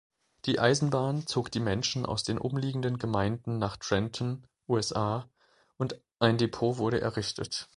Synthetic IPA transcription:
d̥iːʔaɪzn̩baːnt͡soːkd̥iːmɛnʃn̩ʔa̰ʊsd̥eːnʔʊ̰mliːɡŋ̩dənɡəmaɪndn̩naːχtʁ̥ɛntʰn̩ | ʔuːɛsʔaː | ʔʊnt | ʔaɪndepʰoːvʊɐɾəʔɛ̰ɐʁɪçtʰə̰t

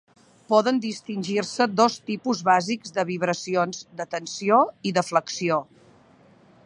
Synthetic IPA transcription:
pɔðənd̪ist̪inʲʒirsəd̪ɔst̪ipuzβaziɡzd̪əβiβɾəsionzd̪ət̪ənsioiðəfləksio

